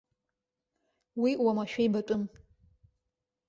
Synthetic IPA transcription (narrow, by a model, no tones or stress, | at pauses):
wiwamaʃᶣejbɐtʷʼʊm